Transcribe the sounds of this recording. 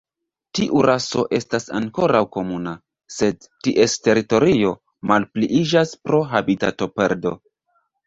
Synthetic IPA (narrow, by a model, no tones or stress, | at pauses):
tiʔuɾʔaso̞̰ʔe̞stasa̰ŋko̞ɾawko̞muna | se̞d̚ | tiʔe̞ste̞ɾito̞ɾio̞ | malpliʔid͡ʒaspɾo̞ɦabita̰to̞pe̞ɾdo̞